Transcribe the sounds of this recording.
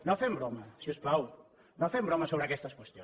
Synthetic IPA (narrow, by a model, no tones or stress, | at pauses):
nofɛmbɾomɐsiosplaw | nofɛmbɾomɐsoβɾakɛst̪ɐskwest̪jõ